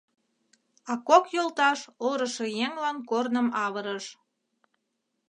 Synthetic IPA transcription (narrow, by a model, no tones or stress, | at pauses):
ɑkokjolt̪ɑʃoɾəʃejeŋlɑnkornəmɑβəɾəʃ